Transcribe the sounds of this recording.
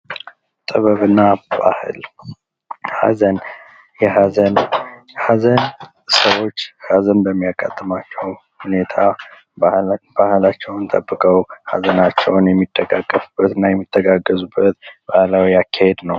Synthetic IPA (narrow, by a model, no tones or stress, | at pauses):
t̪ʼɨβəβɨnːaba̰hɨl | ha̰zən | jɛɦazən | hazən | səwo̞t͡ʃːhazənbəmːijakʼːa̰t̪ʼːəmat͡ʃːɛw | hune̞t̪ʰa | b̥ahɨlat͡ʃːɛwnt̪ʰə̰bːɨkʼəwha̰zənat͡ʃːɛwnjɛmːit̪ʼːəɡaɡʼːəfub̥ːət̪ɨnːajɛmːit̪ʼːəɡaɡːəzubːət̪b̥ahlawijakʰːahed̪nəw